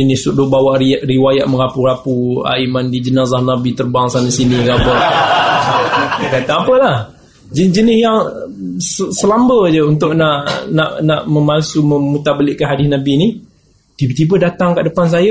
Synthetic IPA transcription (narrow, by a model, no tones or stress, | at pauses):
d͡ʒənɪssuʔdʊʔbawaʔriwajaʔ̚məŋapuɾapua̰imandid͡ʒənazahnabit̪ərbaŋsanasiniɡabɔr | kat̪aapəlah | d͡ʒəd͡ʒənɪhjaŋsəsəlambəd͡ʒəunt̪ʊʔ̚naʔnaʔnaʔməmalsuməmut̪abəlɪʔkanɦadɪsnabini | t̪ibət̪ibədat̪aŋkaʔdəpans̬ajə